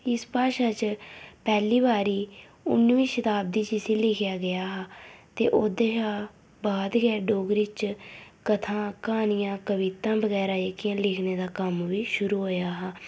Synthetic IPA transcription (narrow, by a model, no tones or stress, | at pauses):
ɪspaːʃaːt͡ʃpɛːliːbaːɾiː | ʊ̰nːʋiːʃət̪aːb̚d̪iːt͡ʃisiːlɪkʰɪjaːɡɪjaːɦaːt̪ḛːʔoːd̪eːʃaː | baːd̪ɡɛːɖoːɡɾiːt͡ʃkət̪ʰãːkaːnijãːkəʋɪt̪ãːbəɡɛːɾaːekːɪjãːlɪkʰneːd̪aːkəmʋiːʃʊɾuːɦoːjaːɦaː